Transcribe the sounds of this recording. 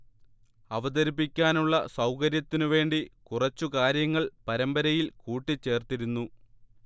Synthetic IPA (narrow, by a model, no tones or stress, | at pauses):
ɐʋɐd̪ɐɾipːikʲːaːnuɭːɐsɐwkɐɾjɐt̪ːinuʋe̞ːɳɖikurɐt͡ɕːukaːɾjɐŋːɐɭpɐɾɐmbɐɾɐjilkuːʈːit͡ɕːe̞ːrt̪iɾunːu